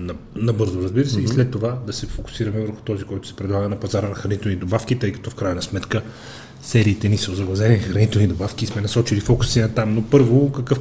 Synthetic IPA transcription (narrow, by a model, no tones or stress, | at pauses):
nɐnɐbɤɾzoɾɐzbiɾəsɛislɛt̪ːovad̪ɐsɛfoku̥siɾɐmɛvəɾxu̥t̪ɔzikɔjt̪ʊ̥sɛ̥pɾɛd̪lˠaɡənɐpɐzaɾənɐxɾɐnit̪ɛlˠnid̪obafk̟it̪ɤjkɐ̥t̪ɔfkɾajɐnɐsmɛt̪kə | sɛɾiːt̪ɛnisəʊzɐɡlˠɐzɛninxɾɐnit̪ɛlˠnid̪obafkʲismɛnɐsɔt͡ʃilifɔku̥sinɐt̪amnopɤɾvokɐkɤf